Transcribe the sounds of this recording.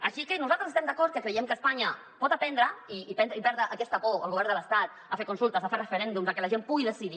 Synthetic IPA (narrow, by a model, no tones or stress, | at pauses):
əʃikənuzalt̪əzəst̪ɛmd̪ɐkɔɾt̪̚kəkɾəjɛmkəːspaɲə | pɔt̪apɛnd̪ɾəiːpɛnd̪ɾəipɛɾðɾəʔːkɛst̪əpoəlˠɣuβɛɾrnd̪ələst̪at̪̚ | əfeɾkunsulˠt̪əzəferəfəɾɛnd̪umzəkɛlɐʒempuɣiðəsiði